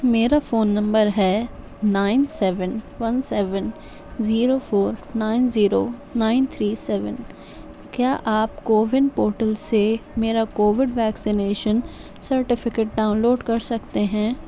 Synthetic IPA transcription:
meːɾafoːnːɐ̃mbəɾɦɛː | naːɪnsɛːʋənʋɐnsɛːʋən | ziːɾofoːɾnaːɪnziːɾoːnaːɪnt̪ʰɾiːsɛːʋən | kjaːʔaːpkoːʋɪnɖpoːɾʈəlsemeːɾakoːʋɪɖʋɛːksɪneːʃən | sɐɾʈɪfɪkeːʈ̚ɖãːʊ̃nloːɖkɐɾsɐkt̪eɦɛ̃ː

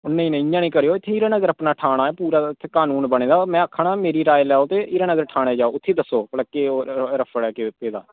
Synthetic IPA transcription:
ʊnːẽĩːnəjãːnĩːkəɾejoːɪt̪ʰːeːɪːɾaːnəɡəɾəpnaːʈʰaːɽ̃aːɛːpuːɾaːɪt̪ʰːeːkaːnuːnbəɽ̃ẽːd̪aːmɛ̃ːəkʰːaɳaːmeːɾiːɾaːelɛːoːt̪eːɪːɾaːnəɡəɾʈʰaːɽ̃eːd͡ʒaːoːʊt̪ʰːeːd̪əsːoːpəlkeːoːɾəpʰəɽɛːkepeːd̪a̰ː

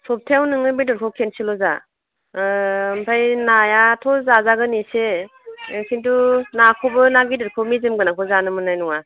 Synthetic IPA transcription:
sɔp̚tʰeawnɯŋɯbidɯɾkʰɔwkʰensilɔza̰ | mpʰajnajatʰɔzazaɡɯnise | kʰintunakʰɔbɯnaɡidɯɾkʰɔwmizɯmɡɯnakʰɔzanɯmɯnajnɔŋa

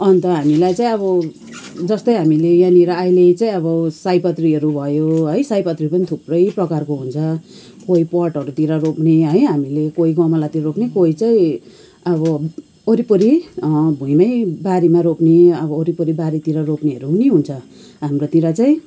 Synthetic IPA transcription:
ʌnt̪ʌɦamilajt͡saĩʌβʌ | d͡zʌst̪ʌjɦamilejaniɾʌailet͡saĩʌβʌsajpʌt̪riɦʌɾubʱʌjoɦʌjsajpʌt̪ripʌnit̪ʰuprʌjprʌkarkoɦunt͡sʰʌ | koɦipʌrʈɦʌɾut̪iɾʌropneɦʌjɦamilekoiɡʌmʌlat̪iɾʌropnekoɦit͡saĩ | ʌβʌ | oɾipuɾibʱuĩmʌjbaɾimaɾopneʌbʌːɾipʌɾibaɾit̪iɾʌropniʌɾuɦuniɦunt͡sʰʌ | ɦamrot̪iɾʌt͡saĩ

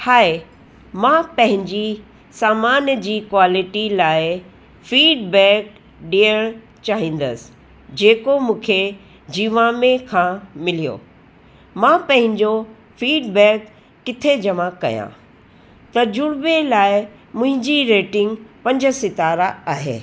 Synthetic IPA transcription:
haːe | mãpɐ̃ɦɪ̃ɲd͡ʑi | saːmaːnjəd͡ʑiːkwaːlɪʈilaːɪ | fiːɖbɛːk̚ | ɗiəɽ̃ | t͡ɕaːɦĩːn̆d̪əsɪ̥ | d͡ʑeːkomũːkʰe | d͡ʑiːʋãːmẽkʰãmɪlijo̰ | mãːpɐ̃ɦɪ̃ɲd͡ʑo | fiːɖbɛːkː | ɪt̪ʰed͡ʑɐmakɐ̰jã̰ | t̪ɐd͡ʑʊɽbelaːɪ | mʊ̃ɦɪ̃ɲd͡ʑiɾeːʈɪ̃ŋɡpɐ̃ɲd͡ʑəsɪt̪aːɾaaːɦḛː

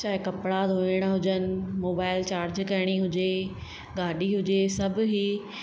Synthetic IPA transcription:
t͡ɕaːɦɪkɐpɽad̪ʱoɪɽ̃aɦʊd͡ʑənɪ̆moːbaːɪlt͡ɕaːɾd͡ʑkɐɪɽ̃iɦʊd͡ʑe | ɡaːɗiɦʊd͡ʑesɐb̆ʱɦi

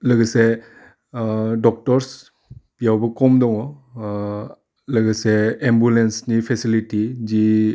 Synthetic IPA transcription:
ləɡəse | dɔk̚tɔɾs | pijawbɔkɔmdɔŋɔ | ləɡɯseːmbjulensnipʰesilitizi

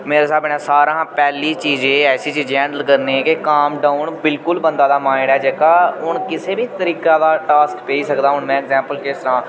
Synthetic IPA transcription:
meːɾeːsaːbɪɳãːsaːɾãːpɛːliːt͡ʃiːd͡ʒẽːɛːsiːt͡ʃiːd͡ʒɛ̃ːɳɖəlkəɾnekɪkaːmɖaːʊɳbɪlkʊlbənd̪aːd̪aːmaːɪɽɛːd͡ʒeːkaːɦʊɳkɪseːbiːt̪əɾiːkaːd̪aːʈaːskpeːiːsəkd̪aːɦʊɳmɛ̃ːɛɡzɛ̃ːmpəlkɪst̪ɾãː

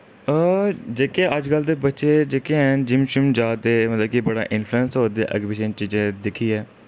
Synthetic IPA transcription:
əd͡ʒeːkeːʔəd͡ʒkəlt̪eːbətːʃeːd͡ʒeːkeːɛːnd͡ʒɪmʃʊmd͡ʒaːt̪eːmət̪ləb̚kibəɽa̰ːʔɪnfʰluənsɦoːd̪ḛːʔə̰ɡbɪʃənt͡ʃiːd͡ʒẽːd̪ɪkʰiːɦɛː

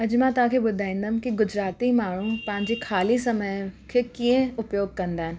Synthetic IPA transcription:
ɐd͡ʑmãːt̪ɐɦãːkʰeːɓʊd̪ʱaːĩːn̆d̪əm̃kiɡʊd͡ʑɾaːt̪imaːɳ̤upɐ̃ɦɪ̃ɲd͡ʑekʰaːlisɐməjkʰeːkiə̃ʊpjoːɡ̚kɐ̃nd̪aːɦɪnɪ̆

